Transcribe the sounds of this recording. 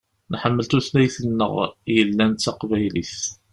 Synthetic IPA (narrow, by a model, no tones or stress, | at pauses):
nħəmːəlt̪uθlæjθənːə̰ʁjəlːænt̪t͡s̪ːæqvæjliθ